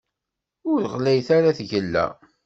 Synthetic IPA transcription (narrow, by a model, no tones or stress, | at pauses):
ʊɾəʁlæjθaɾaθʝəlːæ̰